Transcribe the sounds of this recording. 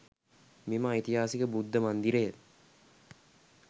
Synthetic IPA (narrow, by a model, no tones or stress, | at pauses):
miməjit̪iɦaːsikəbud̪ːəmand̪iɾejə